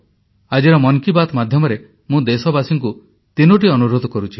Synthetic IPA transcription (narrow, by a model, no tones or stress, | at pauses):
ad͡ʒeɾɔmɔŋkibat̪mad̪ʱjɔmɔɾe | mũd̪esɔbasiŋku | t̪inuʈ̬iɔnuɾod̪ɔkɔɾut͡ʃʰi